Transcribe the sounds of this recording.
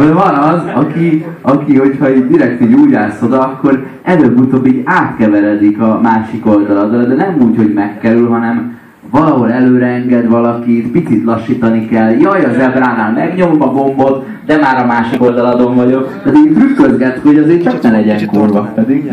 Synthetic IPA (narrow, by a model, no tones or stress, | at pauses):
ovɒnɒzɒkiɒkiho̞chɒiːɟd̪iɾɛkt̪iːɟuːɟaːso̞d̪ɒːkːo̞ɾ | ɛløbːut̪oːbːiːɟaːt̪kɛvɛɾɛd̪ikɒmaːʃiko̞ld̪ɒlɒd̪rɒd̪ɛnɛmuːcho̞ɟmɛkːɛɾylɦɒnɛm | vɒlɒɦo̞lɛløːɾɛɛŋɡɛd̪ʋɒlɒkiːt̪pit̪sit̪lɒʃːiːt̪ɒnikɛljɒjɒʒɛbraːnaːlmɛɡɲo̞mokɒɡo̞mbo̞t̪ | d̪ɛmaːɾɒmaːʃiko̞ld̪ɒlɒd̪o̞ɱvɒɟo̞kt̪ɛt̪it̪rykːøzɡɛt̪ho̞ɟɒzeːt͡ʃɒknɛnɛɟɛŋkorbɒpɛd̪iɡ